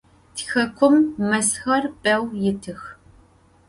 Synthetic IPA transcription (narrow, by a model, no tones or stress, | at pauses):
tʰxɐkʷʊmːɐsxɐrbʼɐwjɪtʰɨx